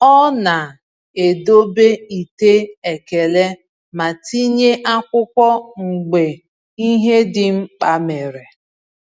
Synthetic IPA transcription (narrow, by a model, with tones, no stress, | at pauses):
ɔ˦na˨ | e˨do˦be˦i˨te˦e˨ke˨le˦ | ma˨ti˦ɲe˦ʔa˦kʷʊ˦kʷɔ˦ŋ͡m̩˨ɡ͡be˨ | i˦ɦe˦dɪ˨ŋ͡m̩˦k͡pa˦me˨ɾe˨